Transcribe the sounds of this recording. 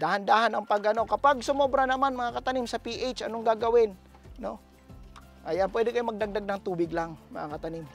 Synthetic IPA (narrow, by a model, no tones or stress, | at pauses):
d̪ahand̪aːhanɐŋpɐɡɐno̞kɐpaɡ̚sʊmobɾanɐmanmɐŋakɐt̪ɐnimsɐpiʔejt͡ʃɐnoŋɡaɡɐwɪnː | o̞ | ʔɐjanpwɛːd̪ɪkɐjomɐɡ̚d̪aɡ̚d̪aɡ̚nɐŋt̪uːbɪɡlaŋmɐ̰ŋakɐt̪ɐnɪm